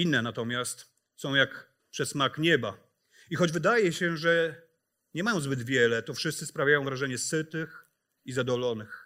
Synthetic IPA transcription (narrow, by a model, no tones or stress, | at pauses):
inːɛnat̪ɔmʲjast̪ | sɔ̃w̃jak | pʂɛsmakɲɛba | ixɔd͡ʑvɘd̪ajɛɕɛʐɛ | ɲɛmajɔ̃w̃zbɘd̪vʲjɛlɛt̪ɔfʂɘst̪sɘspɾavʲjajɔ̃w̃vɾaʐɛɲɛsɘt̪ɘx | izad̪ɔlɔnɘx